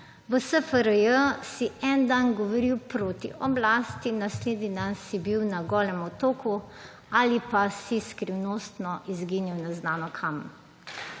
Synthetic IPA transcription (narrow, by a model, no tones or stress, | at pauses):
ʋəsəfəɾəjəsiʔɛnd̪anɡɔʋɔɾiwpɾoːt̪ḭʔɔblaːst̪inasleːd̪nid̪ansibiwnaɡɔːlɛmɔt̪oːku | alipasiskɾiwnoːst̪nɔʔizɡiniwnɛznaːnɔkʰam